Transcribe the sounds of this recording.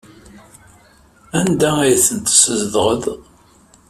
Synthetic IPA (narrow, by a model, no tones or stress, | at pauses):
ænd̪ææjθənt̪səzðʁəð